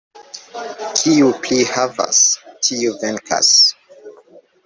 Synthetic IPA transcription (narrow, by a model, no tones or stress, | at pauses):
kʰiuplihava̰stʰiuveŋkʰa̰s